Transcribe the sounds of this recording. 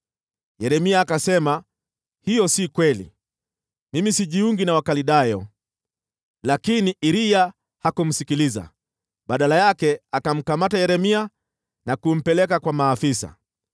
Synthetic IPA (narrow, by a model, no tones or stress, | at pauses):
jɛɾɛmiaːkasɛma | hijɔsikwɛlḭ | mimisiʄiuŋɡinawakaliɗajɔ | lakiniʔiɾija | hakum̩sikiliza̰ | ɓaɗalajakɛakam̩kamatajɛɾɛmia | nakum̩pɛlɛkakwamaːfisa̰